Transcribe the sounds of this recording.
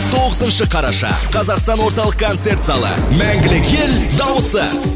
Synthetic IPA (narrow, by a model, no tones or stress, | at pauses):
t̪ʰo̞ʁəzənʃəqʰɑɾɑʃɑ̰qʰɑzɑqst̪ɑnwo̞ɾt̪ɑlˠəqkʰːo̞nt̪se̞rt̪sɑlˠə̰mæŋɡʲɪlɪkʲʰe̞ld̪ɑwəsə̰